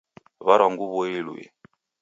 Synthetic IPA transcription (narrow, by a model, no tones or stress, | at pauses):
βaɾaŋɡuβɔilwɛ̰